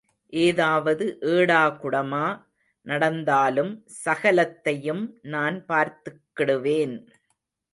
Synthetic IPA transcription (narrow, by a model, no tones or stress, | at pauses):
ʔeːðaːʋɐðɯʔeːɽaːkʊɽɐmaː | nɐɽɐnd̪aːlɯm | sɐɣɐlɐt̪ːɐjɯmnaːnpaːɾt̪ɯkːɪɽɯʋeːn